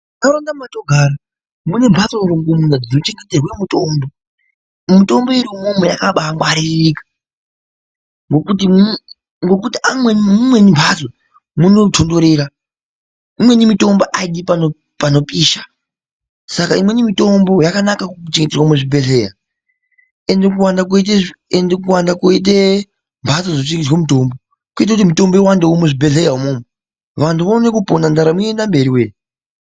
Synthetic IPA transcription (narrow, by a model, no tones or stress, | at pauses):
naɾondamatoɡʱaːɾa | mune̞mbʱasɾoŋɡumunad͡zinot͡ʃe̞ŋɡeterwe̞muto̞mbo | mito̞mbo̞iɾiomomejakaɓaŋɡwaɾirikḁ | ŋɡokuti | ŋɡo̞k̬utiamwe̞nmumwe̞nimbʰʱaso | muno̞tʰo̞ndo̞ɾeːɾa | imwe̞nimito̞mboʔaiɗipano | pano̞pʼiːʃḁ | sakaimwe̞nimito̞mbo̞jakanakakuut͡ʃeŋɡeterwameʐibʱe̞ɮeja̰ | endek̬uwandak̬uit̬eendek̬uwandakuit̬e | mbʰʱat͡sod͡zot͡ʃeŋɡetwamitombo | kuit̬akut̬imito̞mbojewandeomeʐibe̞ɮejaɦumoːme | ʋantʰuʋonekuponandaɾamuendambe̞ɾiweːni